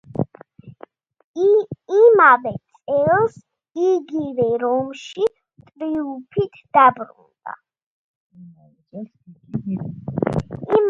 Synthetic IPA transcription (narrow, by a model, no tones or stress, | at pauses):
imavɛt̪sʼɛlˠs | iɡivɛɾɔmʃi | t̪ʼɾiupʰit̪ʰd̪̥abɾṵnd̪̥a̰ | i